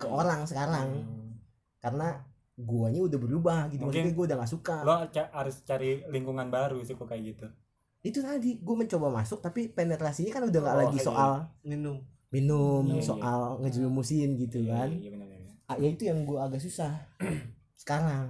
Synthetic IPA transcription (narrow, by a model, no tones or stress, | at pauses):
kəoɾaŋsəkaɾaŋ | karəna | ɡuaɲaudahbəɾubahɡit̪umaskiɡuaudahŋɡaʔsukalot͡ʃaaɾʊst͡ʃaɾiliŋkuŋanbaɾusɪhkukajaɡit̪u | it̪ut̪adiɡuaməɲt͡ʃobamasʊk̚t̪apipenet̪ɾasiɲakanudahŋɡaʔlaɡisoʔalinʊm | minʊmsoʔalŋəd͡ʒlimusɪnɡit̪ukan | ajait̪ujaŋɡuaːɡas̬usah | sə̥kaɾaŋ